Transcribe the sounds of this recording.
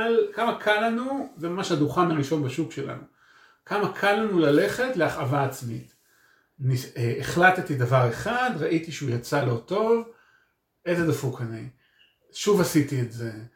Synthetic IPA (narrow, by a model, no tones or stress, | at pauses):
lkamakʰalːanuzemamaʃhaduχamaʁiʃo̞nbaʃukʃe̞la̰nu | kʰamakʰalːanulale̞χe̞tle̞aχavaːt͡smḭt | nieeχlattidavaʁe̞χadʁaʔitiʃeujat͡salo̞to̞v | ezedafukanej | ʃuvasitietze